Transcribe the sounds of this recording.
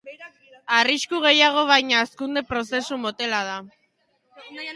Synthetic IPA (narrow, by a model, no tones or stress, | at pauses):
ariskuɣ̞e̞jaɣ̞o̞β̞ajɲaːskund̪epɾo̞se̞sumo̞t̪e̞lað̞a